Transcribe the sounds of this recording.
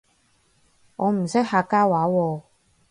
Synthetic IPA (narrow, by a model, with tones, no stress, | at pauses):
ŋɔː˨˧m̩˨˩sɪ˥k̚haː˧kaː˥waː˨˦wɔː˧